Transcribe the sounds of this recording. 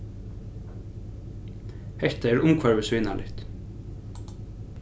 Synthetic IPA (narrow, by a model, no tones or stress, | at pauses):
hɛht̪aɛɾʊmkʰvaɹvɪsvɪːna̰lʔɪ̰ht̪